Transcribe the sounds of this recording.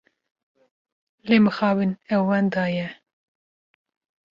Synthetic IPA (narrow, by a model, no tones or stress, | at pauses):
leːmɨxɑːvɨnɛwːɛnd̪ɑːjɛ